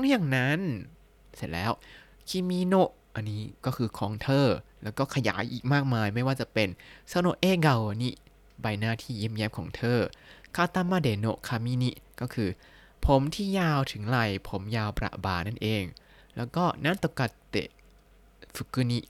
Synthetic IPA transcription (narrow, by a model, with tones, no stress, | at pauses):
ɔ˦˥ŋjaː˨˩ŋna˦˥n | se˨˩t̪̚lɛ̰ː˦˥w | kʰi˧˥˩miː˧˥no˧˥ʔ | ʔa˧nːiː˦˥kɔː˥˩kʰɯː˧kʰɔː˨˦ŋt̪ʰɤː˧˩lɛː˦˥wkɔː˥˩kʰa˧ja̰ː˩˦jʔiː˨˩k̚maː˥˩k̚maː˧jma˥˩jwaː˥˩t͡ɕa˨˩pe˧nsaː˧˥˩no˧˥ʔeː˧˥˩ɡa˧˩wni˦˥ʔ | ba˧jnaː˥˩t̪ʰiː˥˩ji˧˥˩mjɛː˦˥mkʰɔː˩˦ŋt̪ʰɤː˧˩kʰaː˧˩t̪a˧˥˨maː˧˥˩deː˨˦no̰˧˩ʔkʰaː˧˩miː˧˥˨ni˦˧˥ʔkɔː˥˩kʰɯː˧ | pʰo˨˦mt̪ʰiː˥˩jaː˧wt̪ʰɯ˩˦ŋɾa˧˩jpʰo˩˦mjaː˧wpɾa̰˨˩ʔbaː˨˩na˥˩nʔeː˨˧ŋ | lɛ̰ː˦˥wkɔː˥˩naː˥˨nt̪o˧˩ka˧˩t̪ːḛ˨˩ʔ | fu˨˧˩kːɯː˧˩ni˦˧ʔ